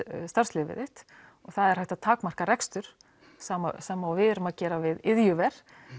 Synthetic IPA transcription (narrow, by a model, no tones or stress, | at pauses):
st̪aɾ̥slɪːvɪ̰ðɪht̪ | ɔɣθaðɛɾ̥hajht̪at̪ʰaːkmar̥kaɾɛkst̪ʏɾ̥ | saːm̰saːmaawvɪðʏɾʏmaðcɛːɾavɪðɪðjʏvɛɾ̥